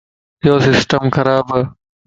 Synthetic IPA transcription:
joːsɪsʈəmxɐɾaːbə

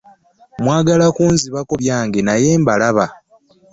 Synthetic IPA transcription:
mwaːɡalakuːnziβako̞βjaːŋɡe̞naje̞ːmbalaβa

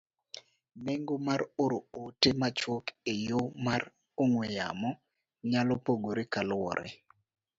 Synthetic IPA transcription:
meŋɡomaɾoɾootemat͡ʃwokejomar | oŋweja̰mɔ | ɲalɔpoɡoɾekalwɔ̰ɾʔɛ̰

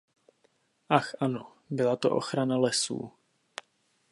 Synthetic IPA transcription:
ʔaxʔano | bɪlat̪o̰ʔo̞xɾanalɛsṵː

